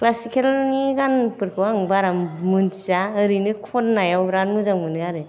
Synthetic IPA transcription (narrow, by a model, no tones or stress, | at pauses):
klasikʰelniɡanpɯɾkʰɯwaŋbaɾammɯntizaɯɾinɯkʰɔnːajawɾanmɯzaŋmɯnɯɡaɾɯ